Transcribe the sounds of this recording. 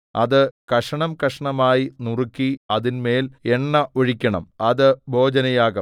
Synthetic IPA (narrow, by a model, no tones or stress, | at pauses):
ɐ̰ðɨkɐʂɐɳɐmkɐʂɐɳɐmaːjinurɨkʲːiɐðinme̞ːle̞ɳːɐʔoɻikʲːɐɳɐ̰mɐðɨbʱo̞ːd͡ʑɐnɐjaːɣɐm